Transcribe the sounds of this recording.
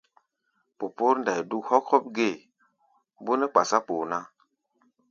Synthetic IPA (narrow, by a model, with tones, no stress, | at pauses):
po˨po˦ɾnda˨jdu˦khɔ˦khɔ˦p̚ɡe˦˨ | bo˦ne˦k͡pa̰˨sa˦po˨na˦